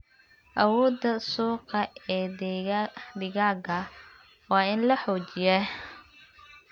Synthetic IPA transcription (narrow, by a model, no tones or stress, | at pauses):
ʔɐwɔːd̪ɐsuːqɐɛː | d̪ɪɣaːɡɐ | wɑːɪnlɐħɔːt͡ʃɪjɛ